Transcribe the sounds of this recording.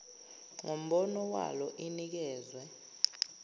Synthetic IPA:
ŋom̩ɓɔnɔwa̰lɔʔinik̬ɛːzwɛ

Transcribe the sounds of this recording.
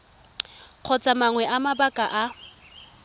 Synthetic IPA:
q͡χʰɔt͡sʼamaŋwɛʔamabakʼaʔa

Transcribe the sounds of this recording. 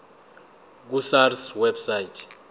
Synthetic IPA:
k̬usarswɛbsaitʰ

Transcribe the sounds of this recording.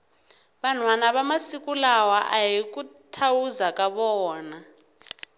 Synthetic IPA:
ɓan̤wanaɓamasikʼulawaʔajik̬ʼutʰawuzakʼaɓɔːna

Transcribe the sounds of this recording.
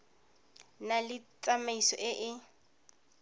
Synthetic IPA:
nalɪt͡sʼamaisɔ̰ʔɪʔɪ

